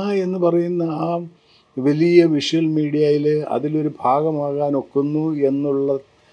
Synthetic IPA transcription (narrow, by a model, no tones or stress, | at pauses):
e̞nːɨpɐrɐjunːɐaː | ʋelijɐʋiʂɐlmiːɽijajilɐ̰ðilo̞ɾubʱaːɣɐmaːɣaːno̞kːunːue̞nːuɭːɐ